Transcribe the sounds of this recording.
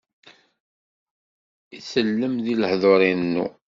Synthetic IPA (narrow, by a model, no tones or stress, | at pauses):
isəlːəmðiləħðˤoɾˤinnːṵ